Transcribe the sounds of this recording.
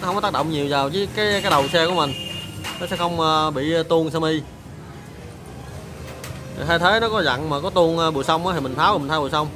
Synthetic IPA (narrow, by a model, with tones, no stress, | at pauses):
xə˧ŋ͡mkɔ˦aː˦˥k̚ɗə̰˧˨wŋ͡mɲi˨˩wzaː˨˩wt͡ɕɨ˨˦kaː˨˦jkaː˨˦jɗə˨˩wsɛ˧ku˧˩əmi˨˩ŋ̟nɔ˨˦sɛ̰˧˥xə˧wŋ͡məː˧ɓḭ˧˨˧t̪u˧ənsaː˧mi˧ | i˨˩ɦaː˧jt̪ʰe˨˦nɔ˨˦kɔ˨˦za̰˧˨ŋmaː˨˩kɔ˨˦t̪u˧ənː˧ɓṵ˧˨sə˧wŋ͡mʔaː˨˦t̪ʰi˨˩mi˨˩ŋ̟t̪ʰaː˨˦w̟̪ːʰa˧˦ɓṵ˧˨sə˧wŋ͡m